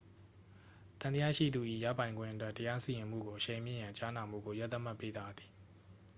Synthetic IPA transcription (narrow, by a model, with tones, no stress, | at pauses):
t̪ã˨nəja̰˦˨ʃḭ˦˨d̪u˨ʔḭ˦˨ja̰˦˨pã˨ɪ̃ŋɡwɪ̰̃˦ʔətwɛ˦tːəja˦si˨jɪ̃˨m̥ṵ˦˨ɡo˨ʔəʃẽ˨ɪ̃mjɪ̰̃˦˨jã˨t͡ɕa˦na˨m̥ṵ˦˨ɡo˨ja˦t̪ːə˦ma˦˨pːe˦d̪a˦d̪ði̥˨